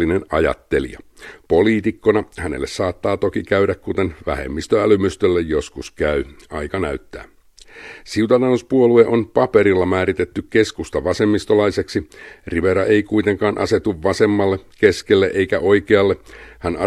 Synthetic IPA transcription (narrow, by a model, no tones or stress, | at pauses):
inenɑjɑ̰t̪ːe̞lḭɑ̰po̞liːt̪ikːo̞nɑhæne̞̰lːessɑːt̪ːɑːt̪o̞kikæyɾækkut̪enʋæ̰hḛmːist̪øælymyst̪ølːejjo̞skuskæyɑjkɑnæyt̪ːæ̰ː | siut̪ɑt̪ɑnuspuolue̞ʔonpɑpe̞ɾilːɑmæːɾit̪et̪ːykke̞skust̪ɑʋɑse̞mːist̪o̞lɑise̞ksiriʋeɾɑʔeijkuijt̪eŋkɑːnʔɑ̰se̞t̪uʋʋɑse̞mːɑlːeke̞skelːeʔe̞ikæʔo̞ikeɑlːehænɑ